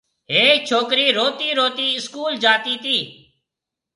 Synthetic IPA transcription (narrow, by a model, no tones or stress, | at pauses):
ɦeːk̚t͡ʃʰoːkɾiːɾoːt̪iːɾoːt̪iːɪskuːld͡ʒaːt̪iːt̪iː